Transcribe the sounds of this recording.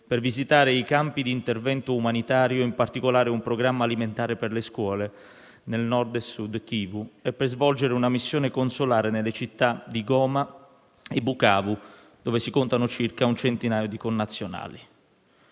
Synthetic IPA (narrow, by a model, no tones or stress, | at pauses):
pɪrvizit̪aːɾɪikampid̪iːnt̪ervɛnt̪ʊːmanit̪aːɾjʊimpart̪ikolaːɾeumpɾoɡɾamːaːliment̪aːɾeperleskwɔːle | nelnɔrd̪ɛsud̪kiːvuɛpːerzvɔld͡ʒeɾeunamisːjoːnɪkonsolaːɾenelːet͡ʃit̪ːad̪iɡɔːma | ebːukaːvu | d̪̥oːvesikʊnt̪anʊt͡ʃirkaunt͡ʃent̪inaːjod̪ikonːat̪sːjona̰ːli